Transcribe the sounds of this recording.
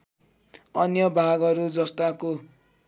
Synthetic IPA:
ʌnjʌbʱaɡʌɾud͡zʌst̪ako

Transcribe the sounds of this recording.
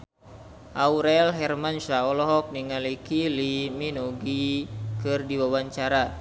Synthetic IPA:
ʔauɾɛlɦɛrmanʃaɔlɔɦɔk̚niŋalikiliminɔɡikɨrdiwawaɲt͡ʃaɾa

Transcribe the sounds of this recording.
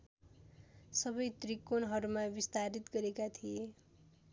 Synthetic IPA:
sʌbʌjt̪rikːonɦʌɾumabist̪aɾit̪ɡʌɾekat̪ʰie

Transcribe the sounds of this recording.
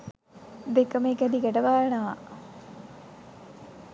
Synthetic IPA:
b̪ekɐmeːkæd̪iɡæʈɐʋaːjɐnɐʋa̰

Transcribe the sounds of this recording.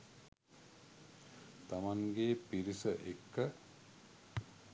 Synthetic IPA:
t̪amaŋɡeːpiɾisəʔekːə

